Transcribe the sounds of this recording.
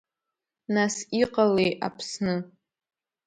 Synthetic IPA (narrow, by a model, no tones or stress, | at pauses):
nasiqʼaleja̰pʰsnɨ